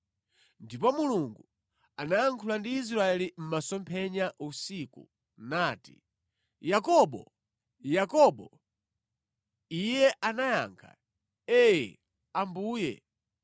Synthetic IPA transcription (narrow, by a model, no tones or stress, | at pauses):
ndipɔmuluŋɡu | anaaŋkʰulandiːs̬ɾaɛlim̩masɔmpʰɛɲaʔusiku | naːti | jakɔɓɔ̰ | jakɔɓɔ | ijɛʔanaja̰ːŋkʰa̰ | ɛjɛ̰ | ambuːjɛ̰